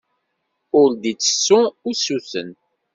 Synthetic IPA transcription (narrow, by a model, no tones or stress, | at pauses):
ʊɾd̪it͡sːə̥sːʊʊsuθə̰n